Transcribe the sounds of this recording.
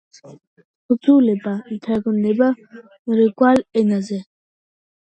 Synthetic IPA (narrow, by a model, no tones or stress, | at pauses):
χuzulɛbat̪ʰaɡɔnd̪ɛba | ɾɛɡwalɛnazɛ